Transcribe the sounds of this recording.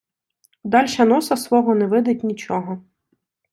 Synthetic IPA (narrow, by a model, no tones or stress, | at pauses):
d̪ɑlʲʃɐnɔsɐsʋɔɦɔnɛʋɪd̪ɪt̚ʲnʲit͡ʃɔɦɔ